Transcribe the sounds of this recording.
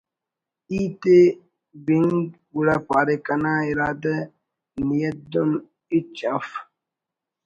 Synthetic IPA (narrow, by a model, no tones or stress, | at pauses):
iːt̪e | biŋɡbuɽapaːɾekɐnaːiɾaːd̪ɐ | nijɐd̪un | it͡ʃɐf